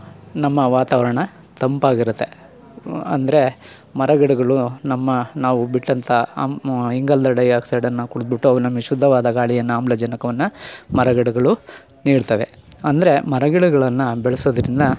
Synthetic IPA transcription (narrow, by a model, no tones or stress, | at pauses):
nɐmːɐʋaːt̪aːʋɐɾɐɳɐ | t̪ɐmpaːɡiɾut̪ːe | ɐ̰nd̪ɐɾe̞ | mɐɾɐɡɛɽuɡɐɭunɐmːɐnaːʋubiʈːɐnt̪ʰɐ | iŋɡɐld̪ɐɖɐjaːksɐjɽɐnːɐkuɽud̪biʈːuɐʋunɐmːeʃud̪ʱːɐʋaːd̪ɐɡaːɭijɐnːuaːmblɐd͡ʒɐnɐkɐʋɐnːɐmɐɾɐɡɛɽuɡɐɭu | niːɖt̪ɐʋe̞ | ɐnd̪ɐɾe̞mɐɾɐɡɛɽuɡɐɭɐnːubɛɭɐsoːd̪ɐɾind̪ɐ